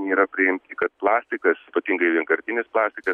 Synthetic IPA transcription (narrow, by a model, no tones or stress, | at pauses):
nʲeːɾɐpʲɾʲɪɪmʲtt̪ʲɪkɐt̪̚plˠɑːsʲt̪ʲɪkɐspɐt̪ʲiŋɡɐɪʋʲiɛŋkɐɾʲt̪ʲɪnʲɪsplˠɑːsʲt̪ʲɪkɐs